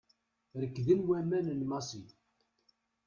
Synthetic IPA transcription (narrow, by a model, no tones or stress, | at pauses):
ɾəkːðimwæmænənmɑsi